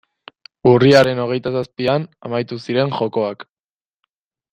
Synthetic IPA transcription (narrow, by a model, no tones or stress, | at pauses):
uriaɾe̞no̞ɣe̞jt̪asaspianamajt̪usiɾe̞ŋxo̞ko̞ak